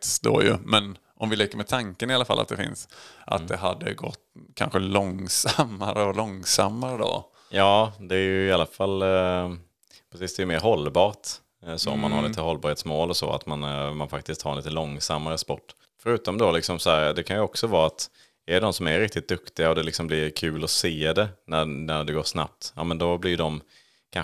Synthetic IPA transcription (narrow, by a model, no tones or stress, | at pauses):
sd̪o̰jɵ̰mɛn | ʔɔmvɪlɛkːəɾmɛt̪ʰaŋkənɪalːafa̰lːa̰t̪̚d̪ɛfɪ̰nsʔa̰t̪d̪ɛɦad̪ːə̰ɡɔ̰t̪ːkʰa̰nɧəlɔŋsamːaɾəɔlɔŋsa̰mːaɾəd̪o̰ | jɑːd̪ɛæɾjɵɪalːafalː | pʰɾɛsisd̪ɛjɵmeːɾɦɔlːbɑːʈ | sɔ̰ɔ̰mːa̰nhaɾlit̪əhɔlbɑːɾheːt̪smoːlɔsɔ̰a̰t̪manmanfak̚t̪ɪskt̪haɾnliːt̪əlɔŋsamːaɾəspɔʈː | fœɾʉ̟ːt̪ɔmd̪ɔlɪksɔmsɔhæːɾd̪ɛkʰanjɵɔksɔvɑːat̪ | æd̪ɔmsɔmæɾɾɪk̚t̪ɪt̪̚d̪ɵkt̪ɪɡaɔd̪ɛlɪksɔmblɪɾkʰʉ̟ːlɔseːd̪ɛnænæɖɛɡoːʂna̰p̚t̪jɑ̰ːmɛnd̪ɔblɪd̪ɔm | kʰa